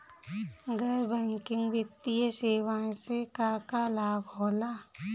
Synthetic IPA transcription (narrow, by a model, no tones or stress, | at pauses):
ɡəɾbɛ̃ːŋkɪ̃ŋɡʋɪt̪ːijəseːʋãːsekaːkalaːbɦoːlaː